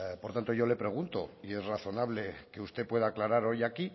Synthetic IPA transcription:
poɾt̪ant̪oʝo̞le̞pɾe̞ɣ̞unt̪o̞ie̞zraθo̞naβ̞le̞ke̞ust̪epwe̞ð̞aːklaɾaɾo̞jaki

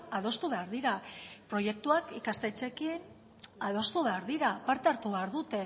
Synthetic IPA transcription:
að̞o̞st̪uβe̞aɾðiɾapɾo̞je̞k̚t̪uakikast̪e̞t͡ʃe̞kin | að̞o̞st̪uβe̞aɾðiɾapaɾt̪eaɾt̪uβeaɾðut̪e̞

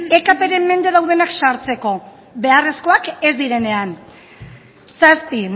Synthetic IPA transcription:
e̞kape̞ɾe̞mːe̞nd̪e̞ðawð̞e̞naksaɾt͡se̞ko̞ | βe̞are̞sko̞ake̞zd̪iɾe̞ne̞an | saspi

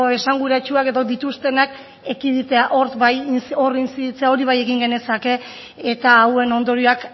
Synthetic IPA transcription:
oe̞saŋɡuɾat͡ʃuake̞ðo̞d̪it̪ust̪e̞nak | ekiðit̪e̞aʔo̞ɾbajo̞rinsiðit͡seao̞ɾiβ̞aje̞ɣiŋɡe̞ne̞sake̞ː | t̪aːwe̞no̞nd̪o̞ɾioak

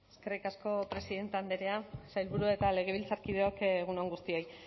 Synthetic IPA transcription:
eske̞rikasko̞pɾe̞siðe̞nt̪eand̪eɾeasajlβuɾuaet̪ale̞ɣ̞e̞β̞ilt͡saɾkiðeokːɣ̞unoŋɡust̪io̞j

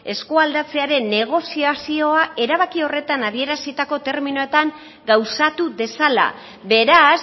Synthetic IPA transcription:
e̞skuald̪at͡se̞aɾe̞nːe̞ɣ̞o̞siasio̞ae̞ɾaβakio̞re̞t̪anað̞ie̞ɾasit̪ako̞t̪e̞ɾminoe̞t̪aŋ | ɡawsat̪uðe̞sala̰ | be̞ɾas

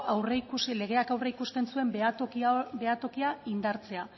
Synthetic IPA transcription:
ʔawreikule̞ɣe̞akawreikust̪e̞nsue̞mobe̞at̪o̞kiaind̪aɾt͡se̞a

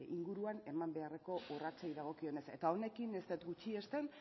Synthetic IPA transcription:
iŋɡuɾuane̞mambe̞are̞ko̞ʔorat͡sejðaɣ̞o̞kio̞ne̞se̞̰t̪ao̞ne̞kinest̪et̪ɡut͡ʃie̞st̪e̞n

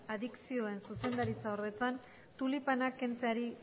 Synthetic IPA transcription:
aðiksio̞e̞nsuse̞nd̪aɾit͡saoɾðe̞t͡san | t̪ulipanake̞nt͡seaɾi

